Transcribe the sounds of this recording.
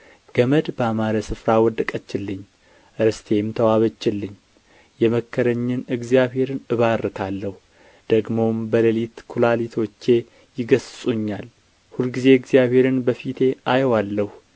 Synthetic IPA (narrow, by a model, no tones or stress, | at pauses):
ɡ̥əməd̪bəamaɾəsɨfɾawɔd̪əkʼət͡ʃːɪlːɨɲː | ʔɨɾst̪ʰe̞mt̪ʰəwaβət͡ʃːɪlːɨɲː | jɛməkʰːəɾəɲːɨnɨɡzijaβhe̞ɾɨnɨβaɾːɨt̪ʰalːəhu | d̪̥əɡmo̞mbələlit̪kʰulalit̪ʰot͡ʃːe̞ | jɪɡəssʼuɲːal | hulɡize̞ɨɡzijaβhe̞ɾɨnbəfit̪ʰe̞ʔajwalːəhu